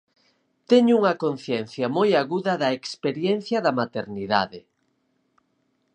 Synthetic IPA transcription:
t̪ɛɲʊuŋɐkon̟θjɛnθjɐmojaɣuðɐðɐekspeɾjɛn̟θjɐðɐmat̪eɾniða̰ðɪ

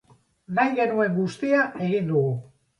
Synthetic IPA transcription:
najɣe̞nue̞ŋɡust̪iaʔe̞ɣind̪uɣu

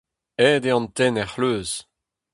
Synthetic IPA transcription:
ɛːd̪eɑ̃nt̪ɛnɛχløːz

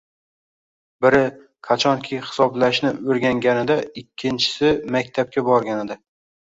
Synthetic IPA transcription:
bɪɾɪ | kʰat͡ʃʰɒŋkʲʰɪhɪ̥sɒblaʃnɪɵɾɡʲaŋɡʲanɪd̪aɪkʲʰːɪnt͡ʃʰɪ̥sɪmakʲt̪ʰap̚kʲʰabɒɾɡʲaned̪ɪ

